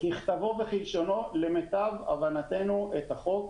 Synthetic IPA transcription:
hiχt̪avoveχilʃo̞no̞le̞met̪ava̰vanat̪e̞nuʔet̪aχo̞k

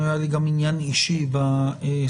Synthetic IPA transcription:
ajaliɡaminjaniʃivae

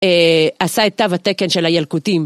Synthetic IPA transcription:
easaet̪ːavat̪eke̞nʃelajalkutim

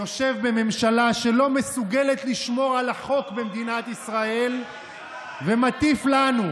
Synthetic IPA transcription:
o̞ʃe̞vbe̞me̞mʃalaʃe̞lo̞me̞suɡe̞let̪liʃmo̞ʁalaχo̞kbemd̪inat̪isʁae̞l | vemat̪iflanu

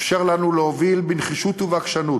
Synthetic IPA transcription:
fʃeʁlanuleovilbinχiʃut̪uvakʃanut

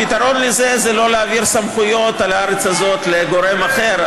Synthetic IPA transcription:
pit̪aʁo̞nleze̞zelo̞leaviʁsamχujo̞t̪alaaʁet͡shazo̞t̪leɡo̞ʁe̞maχe̞ʁ

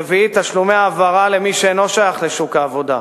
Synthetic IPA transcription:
eviit̪aʃlumeaːvaʁalemiʃeenloʃajaχleʃukaːvo̞d̪a̰

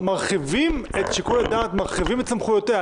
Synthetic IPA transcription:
maʁχivimet̪ʃekoladaːtmaʁχivimett͡samχujote

